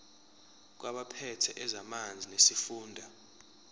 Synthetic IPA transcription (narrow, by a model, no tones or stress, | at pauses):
k̬waɓapʰɛtʰɛʔɛzamand͡zʱinesifuːndʱa